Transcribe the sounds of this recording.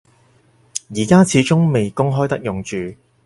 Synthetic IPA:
jiː˨˩kaː˥t͡sʰiː˨˥t͡ʃʊ˥ŋme˨jkʊ˥ŋɦɔː˥jt̪ɐ˥k̚jʊ˨ŋt͡ʃyː˨˩

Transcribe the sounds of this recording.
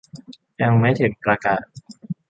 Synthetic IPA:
ja˧ŋma˦˥jt̪ʰɯ˨˩˦ŋpɾa˧kaː˨˩t̚

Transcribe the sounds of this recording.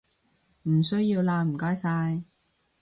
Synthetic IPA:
m̩˨˩sɵ˥ɥjiː˧wlaː˧m̩˨˩kɔː˥jsaː˧j

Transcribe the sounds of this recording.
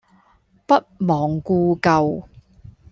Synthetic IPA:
pɐ˥t̚mɔː˨ŋkuː˧kɐ˧w

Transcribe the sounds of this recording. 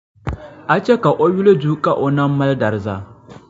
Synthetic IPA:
ʔa˦t͡ʃe˦ka˨ʔʷo˦ju˦le˦d͡ʒuː˦kʼa˦ʔo˦na˦mːɐ˦ldɐ˨rza˦˨

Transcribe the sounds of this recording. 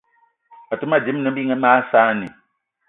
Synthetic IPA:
a˨tu˦ma˦˨d͡ʒi˨˦m˦nɨ˨˦bi˦ŋɛ˦maː˦saː˦˨ni˨

